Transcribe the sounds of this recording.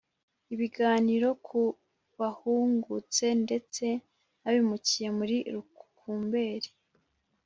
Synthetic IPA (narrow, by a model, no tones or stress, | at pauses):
iβiɡaːniɾo̞kʰu | βahuːŋɡut͡se̞nde̞t͡se̞ | aβimucije̞muɾiɾuku̥kʰuːmbe̞ːɾi